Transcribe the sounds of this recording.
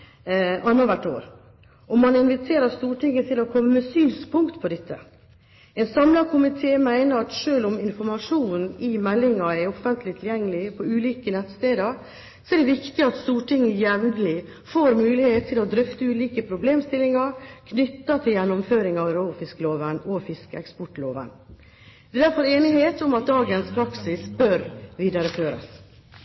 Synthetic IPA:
ʔɑnːɑʋæʈːo̰ːɾ | ɔmːɑnɪnʋɪt̪ʰeːɾəɾst̪uːʈɪŋːət̪ʰɪlɔkʰɔmːəmɛsyːnspʰʊŋkt̪pʰɔd̪ɛt̪ʰːə | ɛnsɑmlɑɾkʰʊmɪt̪ʰeːmæɪnəɾɑt̪ʂøːlɔmɪnfɔɾmɑʂuːnnɪmɛlːɪŋɑɛɔfənt̪ʰlɪt̪ʰɪljɛŋːəlɪpʰɔʉːliːkənɛt̪ːst̪eːd̪əɾ | sɔɛɖɛʋɪkt̪ɪɑt̪st̪uːʈʰɪŋːəjɛʋnlɪ | foːɾmʉːlɪheːt̪ʰːɪlɔd̪ɾʏft̪əʉːliːkəpʰɾʊbleːmst̪ɪlːɪŋɑɾkʰnʏt̪ːɑt̪ʰɪljɛnːʊmføːɾɪŋɑʋɾoːfɪskəloːʋənɔfɪskəɛkspɔʈloːʋə̰n | d̪ɛːd̪æɾfɔɾeːnɪheːt̪ʊmɑt̪̚d̪ɑːɡənspʰɾɑksɪsbœɾʋiːd̪ɑɾəføːɾə̰s

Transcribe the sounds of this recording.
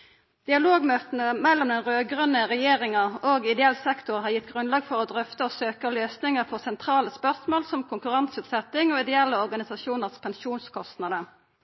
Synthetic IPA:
d̪̥ɪɑloːɡmøːt̪nəmɛlːɔmd̪ɛnʁøːɡʁœnəʁɛjeːʁɪŋəoːɡɪd̪ɛɛlsɛkt̪ʊʁhɑːjɪt̪ːɡʁʉnlɑːɡfɔʁɔːd̪ʁœft̪əɔsøːkəløːsnɪŋəʁfɔsɛnt̪ʰʁɑːləspœʁsmoːlsɔmkʰʊŋkʉʁɑnsʉːt̪sɛt̪ːɪŋoːɪd̪ɛɛlːəɔʁɡɑnɪsɑʃuːnəʁspʰɛnʃuːnskʰɔst̪nɑd̪ə

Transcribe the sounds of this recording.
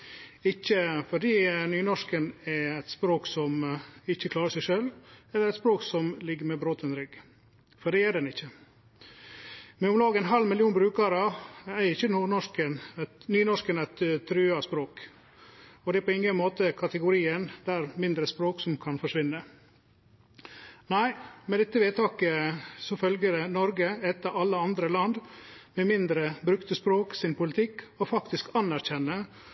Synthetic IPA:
ɪçːəfɔɖiːnyːnɔʂkənɛɛt̪spɾoːksɔmɪçːəkʰlɑːɾəʂɛɪʂœlɛlːəɾɛt̪spɾoːksɔmlɪɡəmɛbɾoːt̪ɛnɾʏɡ | fɔɖɛːæɖɛnɪçːə | mɛʊmlɑːɡɛnɦɑlmɪljuːnbɾʉːkɑɾɑɛɪçːənuːnɔʂkənnyːnɔʂkənɛɪt̪t̪ʰːɾʉːɑspɾoːk | ɔd̪ɛæɾpʰɔɪŋːənmoːt̪əkʰɑt̪əɡʊɾiːənd̪æɾmɪnd̪ɾəspɾoːksɔmkʰɑnfɔʂʋɪnːə | næɪmɛd̪ɛt̪ːəʋeːt̪ʰɑːkəsɔfœlɡəɾɛnɔɾɡəɛt̪ɑʔɑlːəɑnd̪ɾəlɑnd̪mɛmɪnd̪ɾəbɾʉkt̪əspɾoːksɪnpʊlɪt̪ʰɪkːɔfɑkt̪ɪskɑnæɾçɛnːə

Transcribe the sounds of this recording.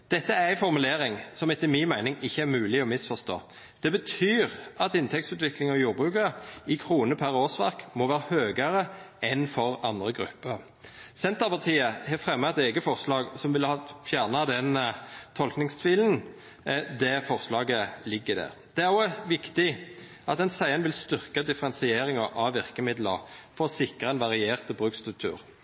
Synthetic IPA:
d̪̥ɛt̪ːəæʁæɪfɔʁmʉleːɾɪŋsɔmɛt̪ːɪmɪnmæɪnɪŋɪçːəæɾmʉːlɪɔmɪsfɔst̪o̰ː | d̪̥ɛbət̪ʰyːʁʔɑt̪ɪnt̪ʰɛkt̪sʉːt̪ʋɪklɪŋɔjuːɾbʁʉːkəɪkʰʁuːnəpʰæʁoːsʋæ̰ʁkmoːʋæːɾəhøːɡəɾə | ɛnfɔʁɑnd̪ʁəɡʁʉ̰pːəɾ | sɛnt̪əʁpɑʁt̪ʰiːəhɛfʁɛmːət̪eːɡəfɔʁslɑːɡsɔmʋɪlhɑfjæːʁnɑd̪ɛnt̪ʰɔlknɪŋst̪ʰʋiːlən̩ | d̪ɛfɔʁslɑːɡəlɪɡːəd̪æ̰ʁ | d̪̥ɛæʁoːʋɪkt̪ɪ | ʔɑt̪ɛnsæɪənʋɪlst̪ʏʁkəd̪ɪfəʁɛnsɪeːɾɪŋɑʔɑʋɪʁkəmɪd̪lə̰ʁfɔʁɔsɪkʁəɛnʋɑʁɪeːʁt̪bʁʉːkst̪ʁʉk̚t̪ʰʉ̰ːʁ

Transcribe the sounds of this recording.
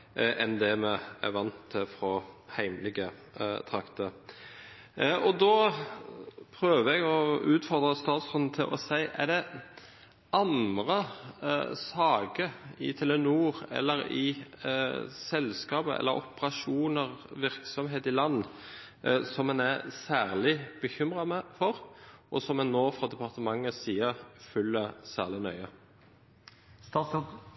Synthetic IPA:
ʔɛnd̪ɛmɛæ̰ʋɑnt̪ʰfɾɔhæɪməlɪɡə | t̪ʰɾɑkt̪ə | ʔɔd̪ɔ | pʰɾøːʋəɛɡɔʉːt̪fɔʁd̪ɾəst̪ɑːt̪sɔnn̩t̪ʰɪlʔɔsæɪʔæ̰ɖ̪ɛ | ɑnd̪ɾə | sɑːɡəɪ̰t̪ʰɛlənuːʁɛ̰lːəɾɪ̰ | sɛlskɑːbəʔɛ̰lːəɾɔ̰pəʁɑʂuːnəʁʋɪʁksɔmɦeːt̪ɪlɑnː | sɔmɛnæsæːʁlɪb̥əçʏmʁɑmɛfɔɾʔɔsɔmɛnnːoːfɾɑd̪ɛpʰɑʁt̪əmɑŋːəsiːəʁfʉlːəsæ̰ːʁlɪnœʏə

